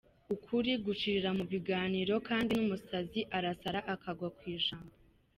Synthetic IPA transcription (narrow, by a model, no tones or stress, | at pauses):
ukʰuɾiɡut͡ʃiɾiɾamuβiɡaːniːɾo̞kaːndinumusaziʔaɾasaɾaʔakaɡwakwiːʒaːmbo